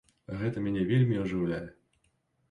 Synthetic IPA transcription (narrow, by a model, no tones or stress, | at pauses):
ɣɛt̪ɐmʲanʲɛvʲelʲmʲiuʐɨwlʲajɛ